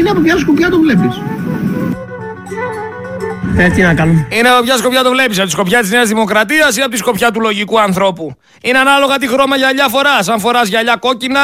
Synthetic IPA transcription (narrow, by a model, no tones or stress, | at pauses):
ineɐpopçɐskopçɐt̪ovlepis | et̪inɐkɐlumineɐpo̞pçɐsko̞pçɐt̪ovle̞pisɐoisko̞pçɐt̪izne̞ɐzðimo̞kɾɐt̪iɐsineɐp̬otisko̞pçɐt̪ulo̞ʝikuɐnθɾo̞pu | ineɐnɐlo̞ɣɐt̪ixɾo̞mɐʝɐʎɐfo̞ɾɐsɐɱfo̞ɾɐzʝɐʎɐko̞cinɐ